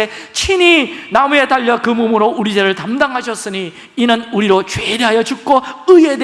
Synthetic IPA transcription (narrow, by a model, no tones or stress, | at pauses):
et͡ɕʰininamue̞taʎːʌkɯmumuɾouɾid͡ʑeɾɯɭtamdaŋɦaɕʰʌs͈ɯɲiː | nɯnuɾiɾot͡ɕwe̞de̞ɦajʌt͡ɕuk̚k͈oɯie̞de